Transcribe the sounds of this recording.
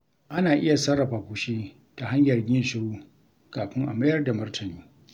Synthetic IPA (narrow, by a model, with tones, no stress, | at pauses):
ʔa˦naː˨ʔɪ˦ja˨sɐ˦rːɐ˨ɸaː˨kʷu˨ʃiː˦ | ta˨ɦa˦ɲjɐ˨rɡʲɪ˦nʃɪ˦ɽuː˦ | kaː˨ɸɪ˦ŋʔa̰˨mɐ˦jɐ˦rda˨mɐ˦rtʰɐ˨nuː˦